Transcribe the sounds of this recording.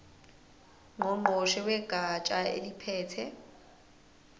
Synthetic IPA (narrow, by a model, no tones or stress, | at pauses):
ŋ͡ǃʊŋ͡ǃoʃɛwɛɡ̥ʼat͡ʃʼaḛlipʰɛːt͡sʰɛ